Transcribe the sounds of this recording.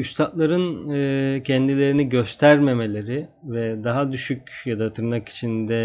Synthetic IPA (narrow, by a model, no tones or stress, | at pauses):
yst̪ʰat̪lˠaɾɯnɯcʰɛnd̪ilʲe̞ɾiniɟø̞st̪ʰæɾme̞me̞lʲe̞ɾɪvɛd̪aɦad̪yʃycʲjad̪at̪ʰɯɾmaki̥t͡ʃʰind̪ɛ